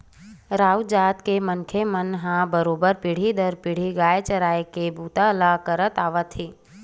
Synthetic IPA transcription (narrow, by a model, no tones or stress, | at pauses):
ɾaːwd͡ʒaːt̪kemənkʰemənɦãbəɾoːbəɾpiɽ̤id̪əɾpɪɽ̤iɡaːjet͡ʃəɾaːekebuːt̪alakəɾət̪aːʋət̪ɦiː